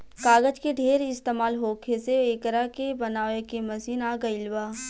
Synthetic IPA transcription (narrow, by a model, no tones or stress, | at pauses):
kaːɡəd͡ʒkeɖʱeːɾɪst̪eːmaːlɦoːkʰeseeːkəɾakebɐnaːʋekemɐsiːnaːɡɐɪlʋaː